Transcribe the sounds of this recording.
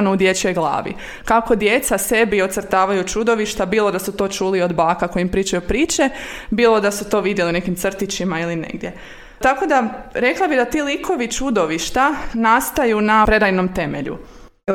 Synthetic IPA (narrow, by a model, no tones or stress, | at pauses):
noud̪je̞t͡ʃo̞jɡlˠa̰ːʋḭ | kako̞d̪je̞t̪sase̞bio̞t̪sər̩t̪aːʋajut͡ʃud̪o̞ʋiʃt̪abiːlˠo̞d̪asut̪o̞ːt͡ʃulio̞d̪baːkako̞jimpɾiːt͡ʃajupɾiːt͡ʃe̞biːlˠo̞d̪asut̪o̞ʋid̪jeliune̞kimt̪r̩t̪it͡ɕimailinḛɡd̪je | t̪ako̞d̪aɾe̞klˠabid̪at̪iːlikʰo̞ʋit͡ʃud̪o̞ʋiʃt̪anast̪ajunapɾe̞d̪ajnomt̪e̞meʎṵ